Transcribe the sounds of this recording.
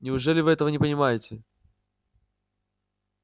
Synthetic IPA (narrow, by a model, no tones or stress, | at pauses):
nʲɪʊʐɛlʲɪvɨɛt̪əvənʲɪpənʲɪmajɪtʲɪ